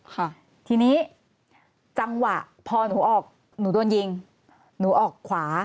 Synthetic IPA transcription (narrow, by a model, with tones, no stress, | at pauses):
kʰa˧˩ | t̪ʰiː˧niː˦˥ | t͡ɕa˧ŋwa˨˩ʔ | pʰɔː˧nuː˩˦ʔɔː˨˩k̚ | nuː˩˦du˧ənji˧ŋ | nuː˩˦ʔɔː˨˩kʰwaː˩˦